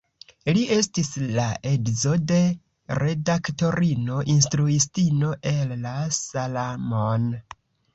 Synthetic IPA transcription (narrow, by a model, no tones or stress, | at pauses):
liʔe̞stislaʔe̞ɡzo̞de̞ | ɾʔe̞dakto̞ɾinoʔinstɾuistino̞ʔe̞lːasalamon